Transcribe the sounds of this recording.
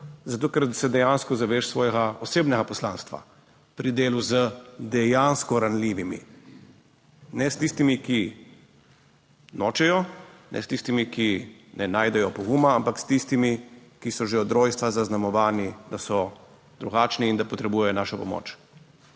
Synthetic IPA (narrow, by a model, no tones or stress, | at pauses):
zat̪oːkɛɾsɛd̪ɛjaːnskɔzaʋeʃsʋɔːjɛɡaɔseːbnɛɡapɔslaːnst̪ʋa̰ | pɾid̪eːluzəd̪ɛjanskɔɾanliːʋimḭ | nɛst̪ist̪imiki | nɔːt͡ʃɛjɔnʔɛ̰st̪ist̪imikinɛnaːjd̪ɛjɔpɔɡumaampakst̪ist̪imikisɔʒeɔd̪ɾoːjst̪ʋazaznamɔʋaːnid̪asɔ | d̪ɾuɡaːt͡ʃniːnd̪apɔt̪ɾɛbuːjɛjɔnaːʃɔpɔmo̰ːt͡ʃ